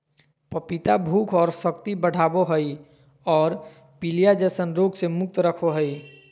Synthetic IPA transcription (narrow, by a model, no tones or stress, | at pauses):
pəpit̪abʱuːkʰɔːɾsək̚t̪ibəɽ̤ʱaːboɦəi | ɔːɾ | pilijad͡ʒəsənɾoɡsemʊk̚t̪ɾəkʰoɦəi